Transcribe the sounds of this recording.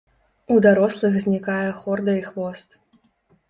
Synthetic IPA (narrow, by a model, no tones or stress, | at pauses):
ud̪aɾɔslˠɨɣzʲnʲikajɛxɔrd̪ɐixvɔst̪